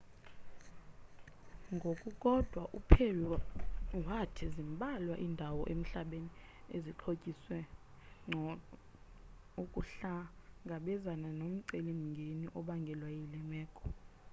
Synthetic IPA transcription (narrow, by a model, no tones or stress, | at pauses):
ŋɡʱokʼukʼɔd̥ʱwaʔupʰewi | watʰizimbʱʼalwaʔindʱawɔ̰ʔem̩ɬaɓeni | eziǃʰokʼiswɛ | ɔ | ukʼuɬaŋɡʱaɓɛzananom̩ǀelimiŋɡʱeniʔɔɓaŋɡʱɛlwajilɛmɛːkʰɔ